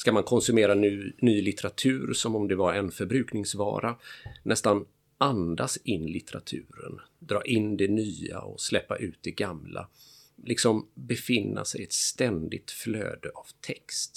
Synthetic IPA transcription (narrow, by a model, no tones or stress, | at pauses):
skamankʰɔnsɵmeːɾanynyːlɪt̪ɛɾat̪ʰʉ̟ːɾsɔmɔmd̪ɛvaɾɛnfœɾbɾʉ̟ːknɪŋsvɑ̰ːɾanɛst̪an | ʔand̪asɪnːlɪt̪ɛɾat̪ʰʉ̟ːɾə̰nd̪ɾɑːʔɪnd̪ɛnyːa̰ɔ̰slɛpːaʔʉ̟ːt̪̚d̪ɛɡamla̰ | lɪksɔmbɛfɪnːa̰sɛjɛt̪st̪ɛnd̪ɪt̪flø̰ːd̪əʔav̥t̪ʰɛkst̪